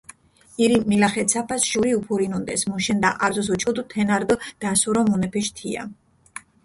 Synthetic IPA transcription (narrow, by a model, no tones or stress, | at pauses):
iɾiːilaχɛt̪sʰapʰasʃuɾiupʰuɾinund̪ɛsmuʃɛnd̪aʔaɾzɔs̬ɔt͡ʃʰʼɔd̪ut̪ʰɛnaɾd̪ɔd̪̥asuɾɔmunɛpʰɛʃt̪ʰia̰